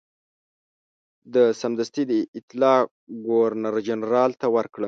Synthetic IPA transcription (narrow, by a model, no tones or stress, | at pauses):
d̪əsamd̪ast̪id̪əɪt̪lɑː | ɡoaɾnaɾd͡ʒanɾɑːlt̪awəɾkɽə